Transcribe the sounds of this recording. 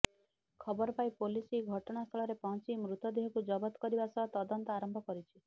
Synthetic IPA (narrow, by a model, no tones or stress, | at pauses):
kʰɔbɔɾɔpajpolisiɡʱɔʈɔɽ̃ast̪ʰɔɭɔɾepɔɦɔ̃t͡ʃimɾut̪ɔd̪iɦɔkud͡ʒɔbɔt̪ɔ̥kɔɾibasɔt̪ɔd̪ɔnt̪ɔaɾɔmbʱɔkɔɾit͡ʃʰi